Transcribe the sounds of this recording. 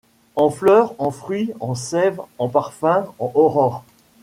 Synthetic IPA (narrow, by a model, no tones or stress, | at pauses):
ɑ̃flœːʁɑ̃fχɥiɑ̃sɛvɑ̃paʁfɛ̃ɑ̃ʔɔʁɔʁ